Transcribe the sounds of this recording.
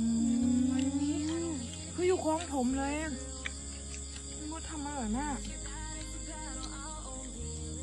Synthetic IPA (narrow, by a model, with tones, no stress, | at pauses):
ʔɯː˧a˧˦i˧˥˧ | kʰɯː˧˥˨juː˨˩kʰɔː˧˦ŋt̪ʰo˨˦mlɤː˧˦ja˧˨˧ | bɔː˧˥t̪ʰa˧mːaː˧˦lɔː˨˩na˧˥˩